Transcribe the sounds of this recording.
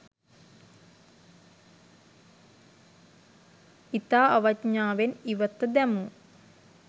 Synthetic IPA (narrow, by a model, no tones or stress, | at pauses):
it̪aːɐʋɐt͡ʃɲaːʋeniʋət̪ːəd̪ɛmu